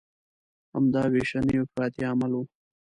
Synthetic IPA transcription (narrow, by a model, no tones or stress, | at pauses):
a̰md̪ɑːweʃanəjopɾɑːt̪iamalo